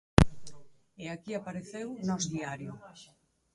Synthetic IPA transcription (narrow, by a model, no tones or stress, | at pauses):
eakiapaɾeθewnɔzðiaɾjʊ